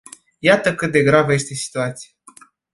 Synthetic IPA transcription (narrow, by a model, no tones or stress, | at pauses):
jat̪əkɨt̪̚d̪e̞ɡɾavəje̞st̪e̞si̥t̪uat̪sija